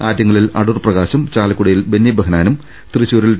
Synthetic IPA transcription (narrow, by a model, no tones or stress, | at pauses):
aːtjɐŋːɐɭilɐ̰ɽurprɐɣaːɕɐmt͡ɕaːlɐkːuɽɐjilbenjɐbɐɦɐnaːnum | t̪rɨt͡ɕːoːɾil